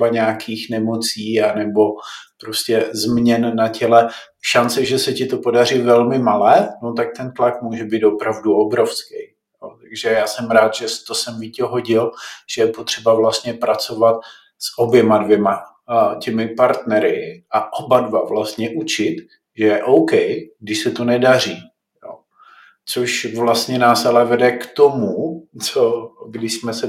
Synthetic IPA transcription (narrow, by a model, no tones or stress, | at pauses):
baɲɛakʰiːxnɛmo̞t͡siːanɛbo̞pɾo̞scɛzmɲɛnːacɛlɛ | ʃant͡sɪʒɛsɛcɪt̪o̞po̞dar̝ɪvɛlmɪmalɛːnot̪ak̚t̪ɛnt̪lakmuːʒɛbiːt̪opɾavduʔobɾo̞fskɛj | jot̪aɡʒɛjaːsɛmɾaːt̪ʒ̥ɛst̪osɛmvicɛɦo̞ɟɪlʒ̥ɛjɛpo̞t̪r̝̥ɛbavlast̪ɲɛpɾat͡so̞vat̪̚ | sʔo̞bjɛmadvjɛma | cɛmɪpaɾt̪nɛɾɪʔaʔobadvavlast̪ɲɛʔut͡ʃɪt̪ | ʒɛjɛʔowkɛjɡdɪʃsɛt̪onɛdar̝iː | jo̰ | t͡soʃvlast̪ɲɛnaːsalɛvɛdɛkt̪o̞mut͡soɡdɪʃsmɛsɛ